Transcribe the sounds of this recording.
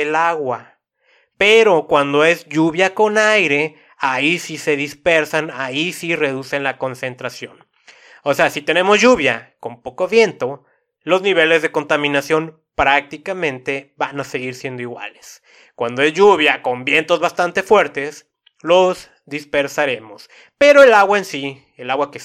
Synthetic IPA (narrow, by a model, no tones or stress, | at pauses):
elaɣwa | pe̞ɾo̞kwand̪o̞e̞zʝuβjako̞najɾe̞ | aisise̞ðispe̞ɾsanaisire̞ð̞use̞nlako̞nse̞nt̪ɾasjo̞̰n | oseasit̪e̞ne̞mo̞zʝuβjako̞mpo̞ko̞βje̞nt̪o̞ | lo̞zniβ̞e̞le̞zðeko̞nt̪amĩnasjo̞n | pɾak̚t̪ikamẽ̞nt̪e̞βanase̞ɣiɾsje̞nd̪o̞iɣwa̰le̥s | kwand̪o̞e̞zʝuβ̞jako̞mbje̞nt̪o̞zβast̪ant̪e̞fwe̞ɾt̪e̞s | loz | ðispe̞ɾsaɾe̞mo̞s | pe̞ɾo̞e̞laɣwaensi | elaɣwake